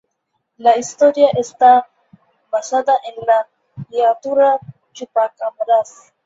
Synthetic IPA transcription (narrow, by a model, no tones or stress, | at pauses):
laist̪oɾiaʔesta | basat̪aʔenla | liat̪uɾa | t͡ʃupakamaɾas